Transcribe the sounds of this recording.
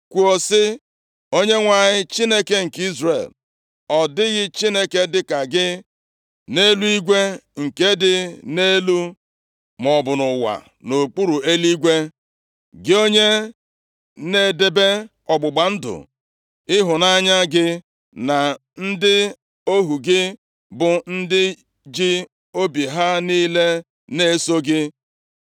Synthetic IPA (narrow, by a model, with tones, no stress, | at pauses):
kʷu˨o˨sɪ˦ | o˦ɲe˦ŋʷa˨ɲɪ˦t͡ʃi˦ne˦ke˦ŋ̩˨ki˦zre˨l | ɔ˨dɪ˦ɣɪ˦t͡ʃi˦ne˦ke˦dɪ˦ka˨ɡɪ˦ | ne˦lu˦i˦ɡʷe˦ŋ̩˨ke˦dɪ˦ne˦lu˦ | mɔ˨bʊ˨nʊ˨wa̰˨ | no˨k͡pu˦ɾu˨e˦li˦ɡʷe˦ | ɡɪ˦o˦ɲe˦ | ne˨de˨be˦ | ɔ˨ɡ͡bʊ˨ɡ͡ba˨n̩˦dʊ̰˨ | ɪ˦ɦʊ˨na˦ɲa˦ɡɪ˦ | na˨n̩˦dɪ˦ | o˦ɦu˨ɡɪ˦ | bʊ˨n̩˦dɪ˦ | d͡ʒɪ˦ | o˦bi˨ɦa˦niː˦le˦ | ne˦so˦ɡɪ˦